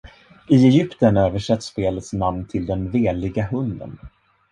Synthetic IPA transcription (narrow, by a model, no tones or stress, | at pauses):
ɪɛjʏpt̪ənøːvəʂɛt̪ːspeːlət̪snamnt̪ʰɪld̪ɛnveːlɪɡaɦɵnd̪ə̰n